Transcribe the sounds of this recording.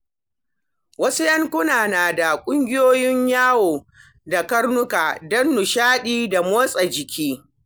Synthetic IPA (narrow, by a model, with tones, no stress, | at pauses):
wɐ˦su˦jɐ˦ŋkʷʊ˦naː˨naː˨da˨kʷʼʊ˦ŋɡʲɪ˦joː˦jɪ˦ɲjaː˦woː˨ | da˨kɐ˦ɽnʊ˦ka˨dɐ˦nːʊ˨ʃaː˦ɗiː˦da˨moː˦sʼɐ˨d͡ʒɪ˨kʲiː˦